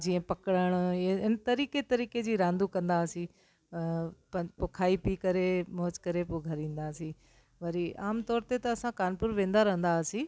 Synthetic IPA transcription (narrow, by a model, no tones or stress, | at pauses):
d͡ʑiːə̃pɐkəɽəɽ̃ɪnt̪ɐɾiːket̪ɐɾiːked͡ʑiːɾãːnd̪ukɐ̃nd̪aːsĩ | pɐ̃pokʰaːipikɐɾemoːd͡ʑkɐɾepoɡʱɐɾĩːn̆d̪aːsĩ | ʋɐɾiaːmt̪ɔːɾt̪et̪ɐɐsãkaːnpʊɾʋẽːn̆d̪aɾɐɦə̃nd̪aːsĩ